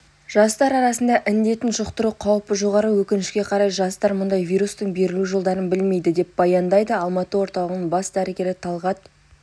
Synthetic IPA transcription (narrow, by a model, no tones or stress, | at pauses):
ʒ̥ɑst̪ɑɾɑɾɑsənd̪ɑʔɪnd̪e̞t̪ɪnʒʊqt̪əɾuqʰɑwpəʒo̞ʁɑɾəwɵkʲɪnɪʃkʲe̞qʰɑɾɑjʒɑst̪ɑɾmʊnd̪ɑjvʲijɾust̪əɴbe̞ɾɪluʒo̞lˠd̪ɑɾənbɪlme̞jd̪ɪd̪e̞p̚b̥ɑjɑnd̪ɑjd̪əɑlˠmɑt̪əwo̞ɾt̪ɑlˠəʁənəɴbɑsd̪æɾɪɡʲe̞ɾɪt̪ʰɑlˠʁɑt̪